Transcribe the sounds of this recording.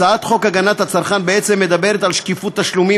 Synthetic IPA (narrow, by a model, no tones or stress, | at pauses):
aat̪χo̞kaɡanat̪hat͡saʁχanbeet͡se̞mːed̪abe̞ʁet̪alʃkifut̪ːaʃlumi